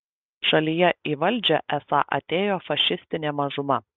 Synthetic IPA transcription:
ʃɐlʲijɛiːʋɐlʲˑd͡ʒʲɛʔɛsɑ̰ʔɐ̰t̪ʲeːjoːfɐʃʲɪsʲt̪ʲɪnʲeːmɐʒʊmɐ

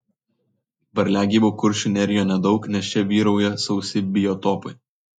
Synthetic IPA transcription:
bɐɾʲlʲæːɡʲiːbuːkʊɾʲʃʲʊnʲɛɾʲɪjoːnʲɛd̪ɒʊknʲɛst͡ʃʲɛʋʲiːɾɐʊjɛsɐʊsʲɪbʲɪjɔt̪ɔːpɐɪ

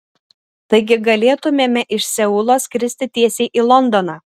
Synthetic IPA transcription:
t̪ɐɪɡʲɪɡɐlʲeːt̪ʊmʲeːmʲɛʔɪʃʲsʲɛʊlˠoːskʲɾʲɪsʲt̪ʲɪt̪ʲiɛsʲeɪʔiːlˠɔnd̪ɔnɑː

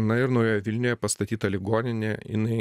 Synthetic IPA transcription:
nɐɪɾnoʊjʲoːjɛʋʲɪlʲnʲʊːjɛpɐst̪ɐt̪ʲiːt̪ɐlʲɪɡoːnʲɪnʲeɪ̰nɐɪ

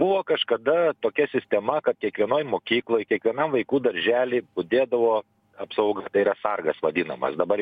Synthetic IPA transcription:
buʋoːkɐʃkɐd̪ɐt̪oːkʲɛsʲɪsʲt̪ʲɛmɐkɐt̪̚kʲiɛkʋʲiɛnoːjmoːkʲiːklˠoːjkʲiɛkʋʲiɛnɐmʋɐɪkuːd̪ɐɾʲʒʲæːlʲɪbʊd̪ʲeːd̪ɐʋoː | ɐpsɐʊɡɐt̪ɐɪiɾɐsɐrɡɐsʋɐdʲinɐmɐ̰sd̪ɐbɐ

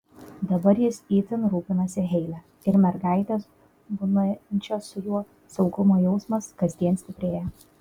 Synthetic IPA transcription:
d̪ɐbɐɾjɪsiːt̪ʲɪnɾuːpʲɪnɐsʲɪɦʲɛɪlʲɛ | ɪɾmʲɛɾɡɑˑɪt̪ʲeːs | bʊnɐnʲt͡ʃʲɛʊjuɔ | sɔʊɡʊmoːjɛʊsmɐskɐzʲd̪ʲiɛnsʲt̪ʲɪpʲɾʲeːjɛ

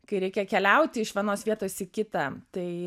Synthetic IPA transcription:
kɐɪɾʲɛɪkʲɛkʲɛlʲɛʊt̪ʲɪɪʃʋʲiɛnoːsʋʲiɛt̪oːsɪkʲɪt̪ɑt̪ɐɪ

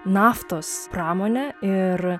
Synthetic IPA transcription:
nɑːft̪oːspɾɑːmoːnʲɛɪɾ

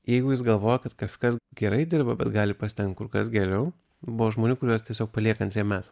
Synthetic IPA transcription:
jɛɪɡʊjɪsɡɐlˠʋoːjɛkɐt̪kɐskɐsɡʲɛɾɐɪd̪ʲɪɾbɐbʲɛt̪ɡɑːlʲɪpɐsʲt̪ʲɛŋkt̪̚kʊɾkɐsɡʲɛɾʲɛʊ | bʊʋoʒmoːnʲʊkʊɾʲuɔst̪ʲiɛsʲoːkpɐlʲiɛkɐnʲt̪ʲɾʲiɛmʲæːt̪ɐ

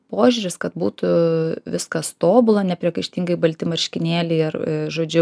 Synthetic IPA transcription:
poːʒʲuːɾʲɪskɐt̪̚buːt̪ʊʋʲɪskɐst̪oːbʊlˠɐnʲɛpʲɾʲiɛkɐɪʃʲt̪ʲɪŋɡɐɪbɐlʲt̪ʲɪmɐɾʲʃʲkʲɪnʲeːlʲɛɪɐrʒoːd͡ʒʲʊ

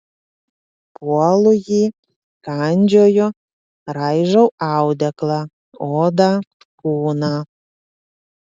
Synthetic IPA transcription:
puɑlˠuji | kɑnʲd͡ʑojo | rɑjʒowɑwd̪æklɑ | od̪ɑ | kuːnɑ

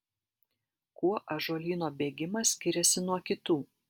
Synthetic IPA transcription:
kuɔʔɐʒuɔlʲiːnoːbʲeːɡʲɪmɐsʲkʲɪɾʲɛsʲɪnuɔkʲɪt̪uː

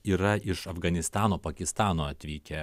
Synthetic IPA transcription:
iːɾɐʔɪʃɐfɡɐnʲɪst̪ɑːnoːpɐkʲɪst̪ɑːnoːɐt̪ʲʋʲiːkʲɛ

